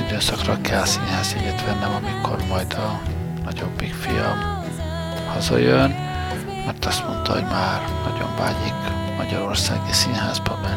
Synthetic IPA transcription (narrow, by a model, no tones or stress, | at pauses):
id̪øːsɒkrɒkɛlːsinhaːziɡet̪ʋɛnːɛmɒmikʰo̞rmɒjd̪ɒ | nɒɟo̞bːikfijɒm | hɒzɒjøn | mɛrt̪ɒst̪mont̪ɒho̰ɟmaːrnɒɟo̞̰ɱva̰ːɟik | mɒɟɒɾo̞rsaːɡisinɦaːzbɒbɛn